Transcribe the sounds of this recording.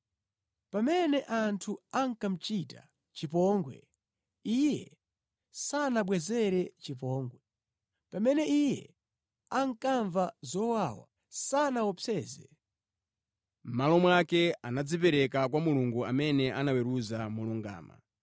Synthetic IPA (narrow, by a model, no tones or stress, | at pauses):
pamɛnɛʔantʰuaŋkam̩t͡ʃita̰ | t͡ʃipɔŋɡwɛ̰ | ijɛ | sanaɓwɛzɛɾɛt͡ʃip̬ɔːŋɡwɛ | pamɛnɛijɛ | aŋ̩kaɱvazɔwawa̰ | sanawɔpʰɛːzɛ̰ | m̩malɔmwakɛanad͡zipɛɾɛkakwamuluŋɡuamɛnɛʔanawɛɾuzamuluŋɡa̰ːma̰